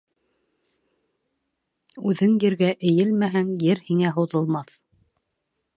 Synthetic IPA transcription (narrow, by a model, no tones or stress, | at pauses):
ʉðɘŋjɘ̆ɾɡæʔɘ̆jɘlmæɦæŋjɘɾhiŋæɦŏðɤ̆lˠmɑθ